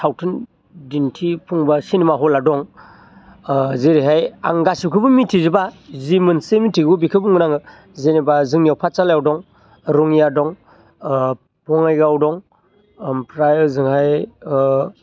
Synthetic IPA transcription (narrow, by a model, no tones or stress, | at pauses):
tʰawtʰɯn | dintʰipʰuŋbasinimaɦɔladɔŋ | zeɾiɦaja̰ŋɡasikʰɯbɯmitʰizɯbazimɯnsemitʰiɡubikʰɯbuŋɡɯnaŋɯ | zenibazɯŋnijawpʰat͡ʃaljawdɔŋ | ɾɔŋijadɔŋ | pɔŋajɡawdɔŋ | pʰɾajzɯŋhaj